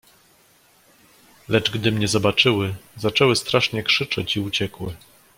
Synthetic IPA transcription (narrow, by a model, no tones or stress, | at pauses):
lɛd͡ʐɡd̪ɘmɲɛzɔbat͡ʂɘwɘzat͡ʂɛwɘst̪ɾaʂɲɛkʂɘt͡ʂɛt͡ɕiut͡ɕɛkwɘ